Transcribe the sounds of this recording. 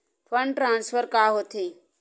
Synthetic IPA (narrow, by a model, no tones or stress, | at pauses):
pʰəɳʈɾãːnspʰəɾkaːɦoːt̪ʰiː